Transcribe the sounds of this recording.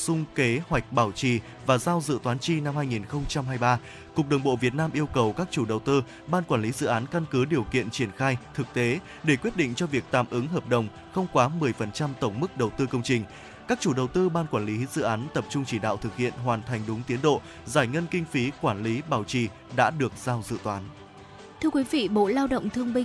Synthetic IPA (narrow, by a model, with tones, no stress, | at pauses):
sʊ˧ŋ͡mke˨˦hwa˨˩jk̟̚ɓaː˧˩wt͡ɕi˧˨˩ | vaː˨˩zaː˧wzɨ̰˧˨t̪waː˨˦nt͡ɕi˧na˧mhaː˧jŋi˨˩nxə˧wŋ͡mt͡ɕa˧mɦaː˧jɓaː˧ | kʊ˨˩k̚ɗə˨˩wŋ͡mɓo̰˧˨vi˨˩ət̚naː˧mʔi˧əwkə˨˩wkaː˦˥k̚t͡ɕu˧˩ɗə˨˩wt̪ɨ˧ | ɓaː˧nkwaː˧˩nli˨˦zɨ̰˧˨ʔaː˨˦nka˧nkɨ˨˦ɗi˨˩əwkḭ˧˨ənt͡ɕi˧˩ənxaː˧jt̪ʰɨ˨˩k̚t̪e˨˦ | ɗe˧˩kwi˦˥ət̚ɗḭ˧˨ŋ̟t͡ɕɔ˧vi˨˩ək̚t̪a̰ː˧˩mʔɨ˨˦ŋɦəː˨˩p̚ɗə˨˩wŋ͡m | xə˧wŋ͡mkwaː˨˦mɨ˨˩əjfə˨˩nt͡ɕa˧mt̪ə˧˩wŋ͡mmɨ˦˥k̚ɗə˨˩wt̪ɨ˧kə˧wŋ͡mt͡ɕï˨˩ŋ̟ | kaː˦˥k̚t͡ɕu˧˩ɗə˨˩wt̪ɨ˧ɓaː˧nkwaː˧˩nli˨˦zɨ̰˧˨ʔaː˨˦nt̪ə˨˩p̚t͡ɕʊ˧ŋ͡mt͡ɕi˧˩ɗa̰ː˧˨wt̪ʰɨ˨˩k̚hḭ˧˨ənɦwaː˨˩nt̪ʰa˨˩ŋ̟ɗʊ˨˦ŋ͡mt̪i˨˦ənɗo̰˧˨ | zaː˧˩jŋə˧nkï˧ŋ̟fi˨˦kwaː˧˩nli˨˦ɓaː˧˩wt͡ɕi˧˩ | ɗa̰ː˧˥ɗɨ˨˩ək̚zaː˧wzɨ̰˧˨t̪waː˨˦n | t̪ʰɨ˧əkwi˨˦vḭ˧˨ɓo̰˧˨laː˧wɗə̰˧˨wŋ͡mt̪ʰɨ˧əŋɓï˧ŋ